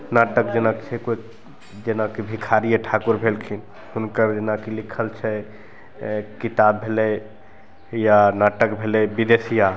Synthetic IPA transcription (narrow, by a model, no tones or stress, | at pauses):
naʈəkd͡ʒenakt͡ʃʰɛkoi | d͡ʒenakebʱikʰaɾijeʈʰakuɾbʱelkʰin | hunkəɾd͡ʒenakelikʰəlt͡ʃʰɛ | kit̪abːʱelɛ | janaʈəkbʱelɛbid̪esija